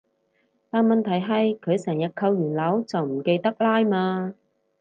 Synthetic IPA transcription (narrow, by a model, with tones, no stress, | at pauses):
t̪aː˨nmɐ˨nt̪ʰɐ˨˩jɦɐ˨jkʰɵ˨˧ɥsɛː˨˩njɐ˨t̚kʰːɐ˧wjyː˨˩nlɐ˨˥wt͡sɐ˨wm̩˨˩ke˧jt̪ɐ˥k̚laː˥jmaː˧